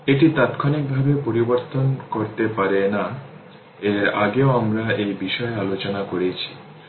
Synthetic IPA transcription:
eʈit̪at̪kʰanik̚bʱabepoɾiboɾt̪onkoɾt̪epaɾena | eɾa̰ɡeoamɾaejbiʃɔealot͡ɕonakoɾet͡ɕʰi̥

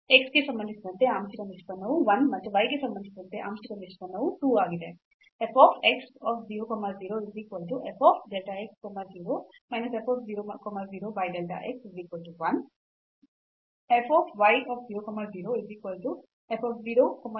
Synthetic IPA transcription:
eksɡesɐmbɐnd̪isid̪ɐnt̪eaːmsɐkɐniʂpɐnɐʋuʋɐnmɐt̪ːuʋɐjɡesɐmbɐnd̪isid̪ɐnt̪eʔa̰ːmʃɐkɐniʂpɐnɐʋuʈuːaːɡid̪e | epʰɔːpʰeksɔːpʰziːɾoːkɔmːɐɾziːɾoiziːkʋɐlʈuepʰɔːpʰɖelʈaekskɔmɐɾziːɾoː | mɐjnɐsepʰɔːpʰziːɾokɔmɐɾd͡ziːɾoːʋɐjɖelʈa̰ʔeksiziːkʋɐlʈuʋɐn | epʰɔːpʰʋɐjɔːpʰd͡ziːɾokɔmːɐɾziːɾoiziːkʋɐlʈu | epʰɔːpʰziːɾoːkɔmɐ

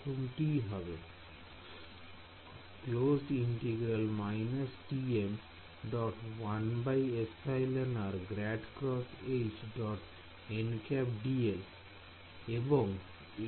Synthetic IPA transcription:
umʈiɦɔbe | klosiɳʈeɡɾalmaɪnasʈiem | ɖɔʈwanbajesajlenaɾɡɾɛɖkɾɔset͡ʃɖɔʈ | enkɛpɖiel | eboŋ

